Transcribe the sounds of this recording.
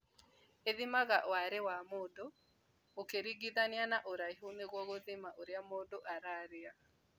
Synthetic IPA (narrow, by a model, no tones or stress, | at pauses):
eðimaɣaʔwaɾewamodo | okeɾiɡiðanjanaʔoɾaiɦoneɣwɔɣoðimaʔoɾjamodoʔaɾaɾea